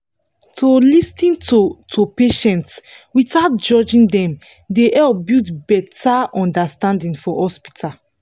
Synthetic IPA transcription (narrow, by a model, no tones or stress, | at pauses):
tʰolistĩntotʰopeʃɛ̃ntswitaʊt̚d͡ʒɔd͡ʒĩndɛ̃m | deʔɛlp̚butbɛtaɔ̃ndastãndĩnfɔhɔspi̥tʰa